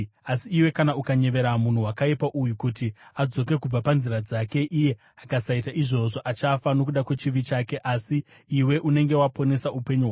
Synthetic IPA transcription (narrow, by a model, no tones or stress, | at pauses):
asiːwe̞kanaukaɲe̞ʋe̞ɾamun̤uwakaipaʔujukutiad͡zo̞ke̞kub͡vapanziɾad͡zake̞ʔije̞ | akasaitaʔiʐo̞ʐo̞ʔat͡ʃafano̞kuɗakwe̞t͡ʃiʋit͡ʃake̞ʔasiː | we̞ʔune̞ŋɡe̞wapo̞ne̞saupeɲuɦwa